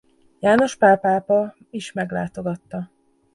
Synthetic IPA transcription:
jaːno̞ʃpaːpaːpɒ | iʃmɛɡla̰ːt̪o̞ɡɒt̪ːɒ

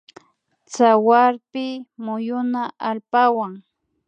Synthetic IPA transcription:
t͡sawaɾpɪmʊjʊnaʔalpawaŋ

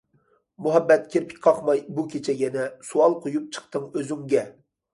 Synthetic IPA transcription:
muɦɛbːɛt̪̚kʲʰeɾpʰɪ̥kʲqʰɑχmɑjbukʲʰet͡ʃʰɛɡʲɛnɛsuɑlˠqʰojup̚t͡ʃʰə̥χt̪ɨŋøzyŋɡʲɛ

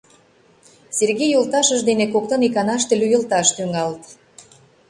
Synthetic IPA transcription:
serɣejolt̪ɑʃəʃd̪enekok̚t̪ə̆nikɑnɑʃt̪ĕlʲujəlt̪ɑʃt̪yŋɑlt̪

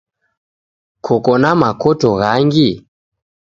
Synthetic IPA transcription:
kʰɔkɔnamakɔtɔɣaŋɡi

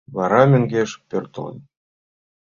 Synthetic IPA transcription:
βɑɾɑmʲɘ̆ŋɡʲeʃpørt̪ə̆lɤ̰̆n

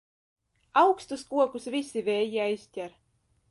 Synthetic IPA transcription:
awkst̪uskuɔkusvʲisʲivʲɛːjiajsʲt̪ʲæɾ

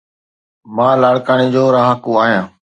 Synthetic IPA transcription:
mãːlaːɭkaːñiːd͡ʑoːɾaːɦəkuaːɦijãː

